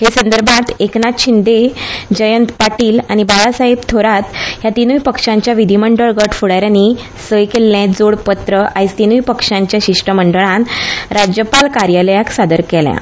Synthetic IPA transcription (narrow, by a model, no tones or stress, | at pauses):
ɦesənd̪əɾbʱãt̪ʰeknat̪ɕind̪ed͡ʑəjənt̪paʈiːla̰ñibaɭasaɦibt̪ʰoɾat̪ɦjat̪inujpəkʂãɲt͡ɕjaʋid̪ʱiməɳɖəɭɡəʈfuɽaɾjani | səjkelːjẽd͡zoɽpət̪ɾəʔajst̪inujpəkʂãɲt͡ɕjaɕiʂʈəməɳɖəɭãnɾad͡ʑjəpalkaɾjaləjaksad̪əɾkɛljã̰